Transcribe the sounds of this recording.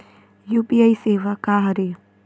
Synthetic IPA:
juːpiaiseːʋakaːɦɐɾe

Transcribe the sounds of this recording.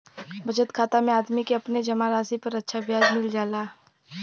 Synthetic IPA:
bʱɐd͡ʒət̪kʰaːt̪amẽaːd̪mikeɐpned͡ʒɐmaɾaːsipɐɾɐtːʃʰabjaːd͡ʒmɪld͡ʒaːlaː

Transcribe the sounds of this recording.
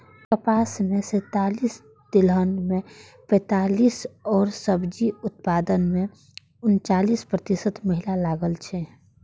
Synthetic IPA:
kəpaːsmẽsɛ̃t̪aːlis | d̪̥ɪlənmẽ | pɛ̃ːt̪aːliːsɔːɾsəbd͡ʒiʊt̪̚paːd̪ənmẽ | ʊnt͡ʃaːlispɾət̪isət̪məɦilalaːɡəlt͡ʃʰɛ

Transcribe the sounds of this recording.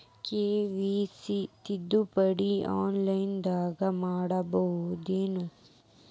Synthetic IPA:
keːʋisit̪id̪ːupɐɽia̰ːnlɐjnd̪aːɡɐmaːɽɐbɐɦud̪eːnu

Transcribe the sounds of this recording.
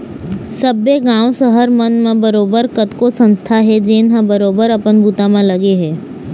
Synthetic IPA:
səbeɡãːʋsəɦəɾmənmãbəɾoːbəɾkət̪kosə̃nst̪ʰaɦɛd͡ʒeːnɦãbəɾoːbəɾɐpənbʱuːt̪amãlɐɡeɦɛː

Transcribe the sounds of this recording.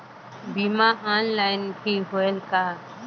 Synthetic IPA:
bimaanlaːjnkʰiɦoelka

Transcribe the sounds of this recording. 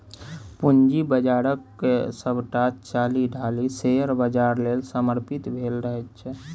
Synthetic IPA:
pund͡ʒibəd͡ʒaːɾəkːesəbʈat͡ʃt͡ʃaːliɖʱaliseəɾbəd͡ʒaːɾleːlsəməɾpit̪bʱelɾəɦɛt̪t͡ʃʰɛ

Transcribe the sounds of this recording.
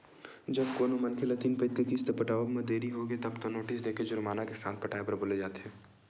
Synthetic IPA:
d͡ʒɐb̚koːnomɐnkʰelɐt̪iːnpeːt̪kek̪ist̪epɐʈaːʋobmẽd̪eːɾiɦoɡet̪ɐbt̪onoːʈɪs̬d̪eːkʰed͡ʒʊɾmaːnakesaːt̪̚pɐʈaːebɐɾboled͡ʒaːt̪ɦɛː

